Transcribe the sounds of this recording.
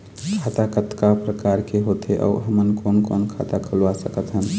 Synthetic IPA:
kʰat̪akət̪kapɾəkaɾkeɦot̪eʔɔ̰ːɦəmənkonkonkʰa̰t̪akʰəlwasəkət̪ɦəm

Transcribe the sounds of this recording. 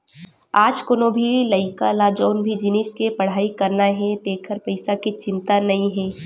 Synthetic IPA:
aːd͡ʒkoːnobʱilɐɪkalaːd͡ʒəːnbʱid͡ʒɪniskepɐɽ̤aːikɐɾnaɦɛd̪eːkʰəɾpɐɪsakit͡ʃɪ̃nt̪anɐĩɦɛ̃ː

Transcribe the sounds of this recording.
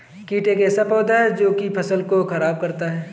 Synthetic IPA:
kiːʈeːkɛːsapɔːd̪aɦɛd͡ʒoːkipʰɐsəlkoxɐɾaːb̚kɐɾt̪aɦɛː

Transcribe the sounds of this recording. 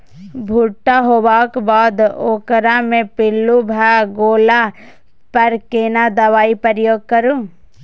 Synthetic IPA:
bʱuʈːaɦoːbaːkbaːd̪oːkɾamẽpɪlːubʱaɡoːla | pɐɾkeːnad̪ɐʋaːipəɾəjoːɡ̚kəɾũː

